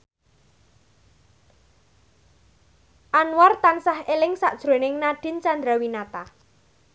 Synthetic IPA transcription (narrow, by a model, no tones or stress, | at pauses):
ʔanwart̪ansahelɪŋsa̰ʔd̥ʒ̥ɾo̤nɪŋnaɖ̥ɪ̤nt͡ʃand̪ɾawinat̪a